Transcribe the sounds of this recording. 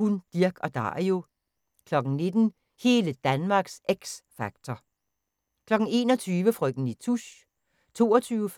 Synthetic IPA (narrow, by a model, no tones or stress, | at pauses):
hund̥iɐɡ̥ɒ̽d̥ɑ̰̈o̝ | kʰlɒ̽ɡ̥ŋ̩ne̝d̥n̩ | he̝ːləd̥ænmɑ̈ɡ̥seɡ̥sfɑ̈ɡ̥̚t͡sʰɒ | kʰlɒ̽ɡ̥ŋ̩e̝̰ːnɒ̽t͡sʰyːʋəfʁœɡ̥d̥n̩it͡sʰuɕ | t͡sʰo̝̰ːɒt͡sʰyːʊ